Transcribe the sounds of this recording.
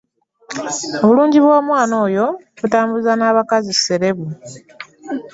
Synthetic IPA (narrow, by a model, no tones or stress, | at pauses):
o̞βuluːɲɟiβwaːmwaːno̞ːjo̞ | βutaːmbuzanaːβakazise̞ɾe̞βu